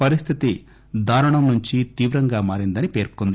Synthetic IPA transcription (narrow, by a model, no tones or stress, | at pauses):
pɐɾist̪ʰit̪i | d̪ʱaːɾɐɳɐmnuɲt͡ʃit̪iːʋɾɐŋɡaːmaːɾind̪ɐnipe̞ːɾkund̪i